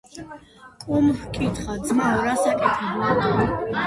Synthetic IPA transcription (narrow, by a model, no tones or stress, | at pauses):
kʼumhkʼit̪ʰχad̪zmaɔɾasakʼɛt̪ʰɛbla